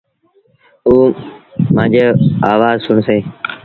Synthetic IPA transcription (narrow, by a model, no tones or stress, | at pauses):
uːmãːd͡ʒeːaːʋaːzsʊɳseː